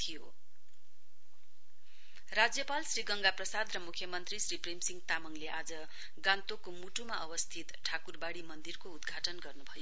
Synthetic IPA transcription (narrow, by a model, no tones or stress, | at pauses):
t̪ʰijo | rad͡zjʌpalsriɡʌŋɡaprʌsad̪rʌmukʰjʌmʌnt̪risripremsiŋɡt̪amʌŋleʔad͡zʌ | ɡãnt̪okomuʈumaʔʌwʌst̪ʰit̪ʈʰakurbaɽimʌnd̪irkoud̪ɡʱaʈʌnɡʌrnubʱʌjo